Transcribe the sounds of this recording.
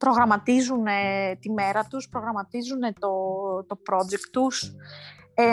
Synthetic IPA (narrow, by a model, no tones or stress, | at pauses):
pɾo̞ɣɾɐmɐt̪izunet̪ime̞ɾɐt̪uspɾo̞ɣɾɐmɐt̪izune̞t̪o̞t̪o̞pɾo̞d͡ʒe̞kt̪ːus | e